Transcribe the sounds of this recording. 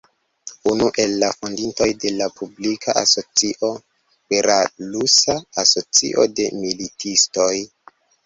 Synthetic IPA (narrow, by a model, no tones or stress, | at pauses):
unuʔe̞lːafondinto̞jde̞lapublikʰaʔa̰so̞t͡siʔo̞ | peɾalusaaso̞t͡sḭʔo̰de̞militisto̞j